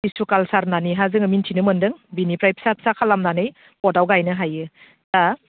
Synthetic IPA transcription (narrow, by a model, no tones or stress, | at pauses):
disukalsaɾnaniɦazɯŋɐmintʰinɯmɯndɯŋbinipɾajpʰsapʰsakʰalamnanɯj | pɔdawɡajnɯɦajɯ | ta